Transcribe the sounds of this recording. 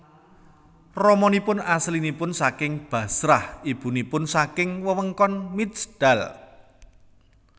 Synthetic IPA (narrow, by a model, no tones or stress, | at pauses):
rɔmɔnipʊnaslinipʊnsakɪŋb̥ä̤sɾahib̥ṳnipʊnsakɪŋwəwəŋkɔnmit̪sd̪̥a̤l